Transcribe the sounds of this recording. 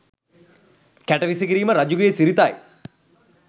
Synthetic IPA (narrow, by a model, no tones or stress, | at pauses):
kæʈɐʋisikiɾiːməɾɐd͡ʑuɡəjesiɾit̪aj